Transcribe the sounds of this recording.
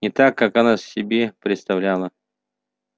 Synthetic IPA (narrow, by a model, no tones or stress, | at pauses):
nʲɪt̪akːakanasʲɪbʲepɾʲɪt̪st̪avlʲalˠə